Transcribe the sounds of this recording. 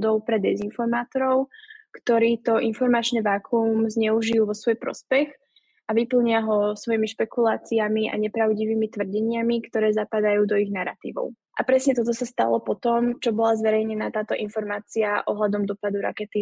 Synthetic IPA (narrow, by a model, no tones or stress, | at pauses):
d̪ɔʊpɾɛd̪ɛzinfɔɾmaːt̪ɔɾɔʊkt̪ɔɾiːt̪ɔʔinfɔɾmat͡ʃnɛʋaːkʰumzɲɛuʒijuʋɔsʋɔjpɾɔ̰spɛx | aʋipl̩ɲɪaɦɔsʋɔjimiʃpɛkulaːt͡siamiʔa̰ɲɛpɾaʊɟiʋiːmit̪ʋr̩ɟɛɲɪamikt̪ɔɾɛːzapad̪ajuːd̪ɔiɣnaɾa̰t̪ḭːʋɔ̰ʊ | ʔa̰pɾɛsɲɛt̪ɔt̪̬ɔsast̪a̰lɔpɔt̪ɔmt͡ʃɔbɔlazʋɛɾɛjɲɛnaːt̪aːt̪ɔʔinfɔɾmaːt͡siaʔɔɦlad̪ɔmd̪ɔpad̪uɾa̰kɛt̪i